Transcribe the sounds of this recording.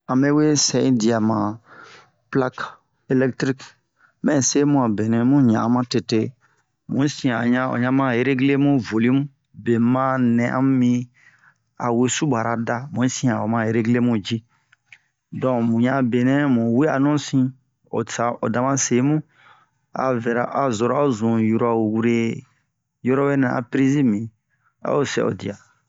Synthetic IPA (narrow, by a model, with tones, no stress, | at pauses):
ã˨me˦we˦sɛ̃˨˦ĩ˦di˨a˨mã˨ | pla˦k | e˨lɛ˦ktɾi˦k | mɛ̃˦˨se˦mũ˦a˨be˨nɛ̃˨mũ˦ɲã˨a˨˦mã˦te˨te˦ | mũ˨˦sĩ˦ã˨ɲã˦o̰˨ɲã˦mã˦˨je˦ɾe˦ɡle˦mũ˦vo˨li˦mũ˦ | be˨mã˦nɛ̃˨ʔã̰˦mĩ˦ | a̰˨we˦su˦ba˨ɾa˨da˦mũ˨˦sĩ˦ã˨o˨mã˦˨je˦ɾe˦ɡi˦le˦mũ˦d͡ʒi˦ | dɔ̃˨˦mũ˨ɲã˦be˨nɛ̃˦mũ˨we˦a˨nɔ̃˦sĩ˦ | o̰˨ta˨ʔo̰˨da˨mã˦se˨˦mũ˦ | a̰˨vɛ˨ɾa̰˨ʔa˨zɔ˨ɾa˦o˦zũ˨ju˨ɾɔ˨wu˦ɾe˦ | jo˦ɾɔ˦wɛ˦nã˨a̰˨pɾi˦zi˦mĩ˨ | a̰˦o˦sɛ̰˨o̰˨di˨a˨